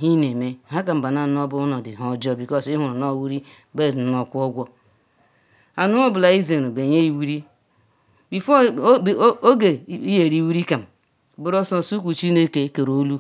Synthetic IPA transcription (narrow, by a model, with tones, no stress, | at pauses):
ɦi˦ne˨me˦˨ɦa˦k̬a˨m̩˨ba˨na˨n˦o˦bʊ˦nɔ˨dɪ˨ɦɔ˨d͡ʒɔ˦bi˨kɔ˦si˦ɦu˨ɾnɔ˦˨wi˦ɾi˦ | be˦˨˦nɔ˨kʷɔ˦ɡʷɔ˦ | a˨nu˦o˦bʊ˨la˨i˦ze˨ɾo˨be˨ɲe˦i˦wi˦ɾi˦ | bi˨fɔ˦˨˦ | o˦ɡe˨i˦je˨ɾi˦wi˦ɾi˦ka˨m̩˨ | bʊ˦ɾo˦sɔ˦˨su˦k̬ʷu˨t͡ʃi˦ne˦ke˦ke˨ɾo˨˦lu˦